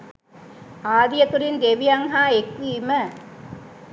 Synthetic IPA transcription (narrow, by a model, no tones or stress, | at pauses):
aːd̪ijɐt̪uɾind̪eʋijɐŋɦaːekʋiːmə